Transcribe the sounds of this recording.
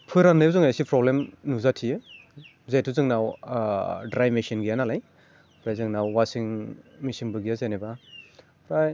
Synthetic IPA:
pʰɯjɾanːɯjzɯŋajsipɾɔblemnuzatʰijɯ | zajtʰuzɯŋnaw | dɾajmesinɡijanalaj | ɾajzɯŋnawwasiŋmisiŋbɯɡijazajneba | ɾaj

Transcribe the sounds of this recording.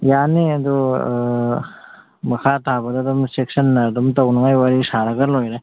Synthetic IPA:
janiɐd̪u | mɐkʰatʰabɐdadɔmsek̚sɐnːɐdumtɐwnɐŋajwaɾisaɾɐɡɐlojɾa

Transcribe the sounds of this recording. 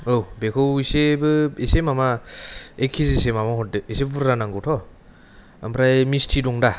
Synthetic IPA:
owbekʰɯwisebɯesemama | ekʰːizisemamahɔt̚dɯesebuɾzanaŋɡɯwtʰɔ | a̰mpʰɾajmistʰidɔŋda

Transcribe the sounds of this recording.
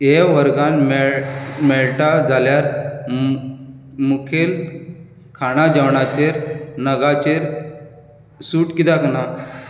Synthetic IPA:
eʋəɾɡanmɛɭmɛɭʈad͡zʱaljaɾ | mukʰel | kʰaɽ̃ad͡ʑaʋɳat͡ɕeɾnəɡat͡ɕeɾ | suːʈkid̪akna

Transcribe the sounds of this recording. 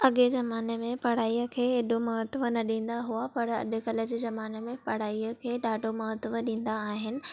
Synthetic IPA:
ɐɠezɐmaːnemẽpɐɽ̤aːiːəkʰeːeɗomɐɦət̪ʋənɐɗĩːn̆d̪aɦuapɐɽɐ̰ɗʊ̆kɐlə̆d͡ʑeːzɐmaːnemẽpɐɽ̤aːiəkʰeːɗaːɖʱomɐɦət̪ʋəɗĩːn̆d̪aːɦɪnɪ̆

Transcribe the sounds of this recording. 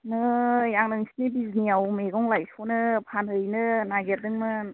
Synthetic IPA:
nɯjaŋnɯŋsʰi̥nibiznijawmeɡɔŋlajsɔnɯpʰanhɯjnɯnaɡeɾdɯŋmɯ

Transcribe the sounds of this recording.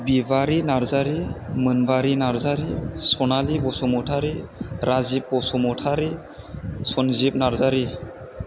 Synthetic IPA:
bibaɾinaɾzaɾimənbaɾinaɾzaɾisɔnalibɔsɔmɔtʰaɾiɾʔazib̚bɔsɔmɔʈʰaɾi | sɔnzibnaɾzaɾi

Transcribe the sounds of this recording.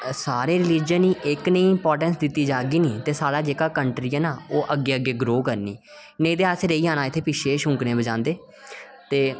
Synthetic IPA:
saːɾeːɾɪliːd͡ʒəniːʔɪknəĩːɪmpɔːɾʈənsd̪ɪt̪ːiːd͡ʒaːɡiːniːt̪eːsaːɽaːd͡ʒeːkaːkəɳʈɾiːəːnãːoːʔəɡːeːəɡːeːɡɾoːkəɾnḭː | nə̃ĩːd̪eːaːseɾəiːãːnaːɪt̪ʰːeːpɪʃeːʃʊ̃ŋknẽːbəd͡ʒãːnd̪eː | t̪eː

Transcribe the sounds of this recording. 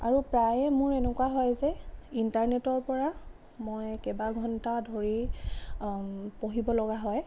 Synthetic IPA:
a̰ɹupɹajɛmʊɹɛnɛkwaɦɔjzɛintaɹnetɔɹpɔɹa | mojkɛbaɡʱɔntadʱoɹi | poɦibɔlɔɡaɦɔj

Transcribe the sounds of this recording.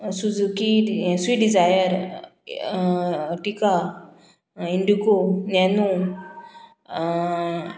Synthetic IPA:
sud͡zukisʋiːɖid͡zajəɾ | ʈika | iɳɖikonjanu

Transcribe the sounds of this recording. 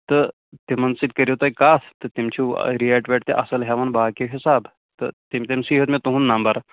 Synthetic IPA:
t̪ə | t̪emɐnsid̪̚kəɾjot̪ajkast̪ət̪emt͡ɕʰũɾiɛʈʋɛʈ̚t̪eʔɐsəlɦaʋɐnbaːkiɦisab | t̪ə̰t̪emt̪emsiɦət̪met̪uɦũnːambaɾ

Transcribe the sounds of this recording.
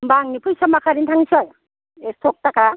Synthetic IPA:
mbaŋnipʰujsamakʰaɾintʰaŋsɔj | estʰɔk̚taka

